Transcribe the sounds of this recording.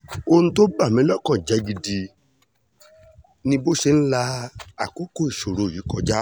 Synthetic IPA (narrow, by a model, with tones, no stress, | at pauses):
o˦nũ˧to˦ba˦˨mĩ˨˦lɔ˦˨kɔ̃˨d͡ʒɛ˨˦ɡi˧di˧ | nĩ˧bo˦ʃe˧n̩˦la˧a˨ko˦ko˦˨i˨ʃo˨ɾo˨ji˨˦kɔ˧d͡ʒa˦